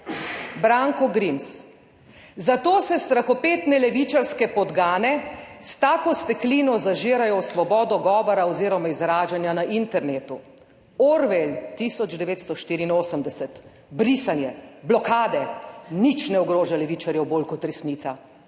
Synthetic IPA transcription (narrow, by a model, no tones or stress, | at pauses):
bɾaːŋkɔɡɾims | zat̪oːsɛst̪ɾaxɔpeːt̪nɛlɛʋit͡ʃaɾskɛpɔd̪ɡaːnɛst̪aːkɔst̪ɛkliːnɔzaʒeːɾajɔwsʋɔbɔːd̪ɔɡɔːʋɔɾaɔziːɾɔmaizɾaːʒanjanaʔint̪ɛɾneːt̪u | ɔɾʋelt̪isɔd͡ʒd̪ɛʋeːt̪st̪ɔʃt̪iːɾiːnoːsəmd̪ɛsɛt̪ | bɾisanjɛblɔkaːd̪ɛnit͡ʃnɛɔɡɾoːʒalɛʋiːt͡ʃaɾjɛwboːlkɔt̪ɾɛsnit̪sa